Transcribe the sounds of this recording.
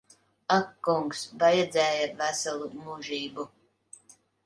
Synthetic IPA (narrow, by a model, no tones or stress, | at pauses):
akːuŋksbajɛd̪zɛːjavæsalˠumuʒiːbu